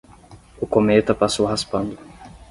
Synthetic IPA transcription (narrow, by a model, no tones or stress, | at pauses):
ʊkomet̪ɐpasowɦaspɐ̃nd̪ʊ